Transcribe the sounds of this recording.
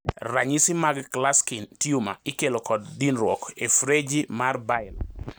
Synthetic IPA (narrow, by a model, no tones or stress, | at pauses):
raɲisɪmaɡklaskintiuma̰ɪkelokɔdːinɾwɔkefɾed͡ʒimarbaɪl